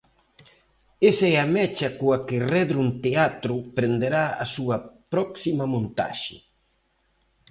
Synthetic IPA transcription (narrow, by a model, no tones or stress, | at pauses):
esɛamɛt͡ʃɐkoɐkɪrɛðɾunt̪eat̪ɾʊpɾend̪eɾaɐ̰suɐpɾɔksimɐmõnt̪a̰ʃɪ̰